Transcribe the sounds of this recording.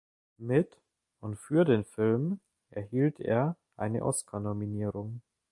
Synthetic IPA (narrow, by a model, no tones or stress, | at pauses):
mɪt | ʔʊntfyːɐdeːnfɪlm | ʔɛɐhiːltʰḛːɐ | ʔa̰ɪnə̰ʔɔ̰skʰanominiːʁʊŋ